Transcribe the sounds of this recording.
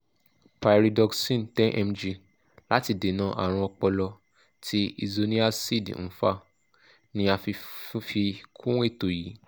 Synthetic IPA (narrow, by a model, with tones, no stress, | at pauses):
pa˨jɾi˨dɔ˧ksĩ˦˨n̩˨tɛ̃˦ʔɛ˧md͡ʒi˧ | la˦ti˧de˨˦nã˨˦ʔa̰˨ɾ̃ũ˧ɔ˧k͡pɔ˧lɔ˧ | tʰi˦ḭ˧zo˧nĩ˦a˦si˦˨dñ̩˦˨˦fa˧ | nĩ˦a˧fi˧˦fi˧kʰũ˦w̃e˦˨to˨jiː˨˦